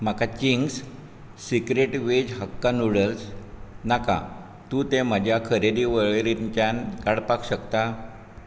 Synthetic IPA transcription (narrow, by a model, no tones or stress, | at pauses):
m̤akat͡ɕiŋɡs | sikɾeʈʋed͡ʑɦəkːanuɽəlsnaka̰ | t̪ũt̪em̤əd͡ʑʱjakʰəɾeɽiʋəɭeɾit͡ɕjankaɽpakɕəkt̪a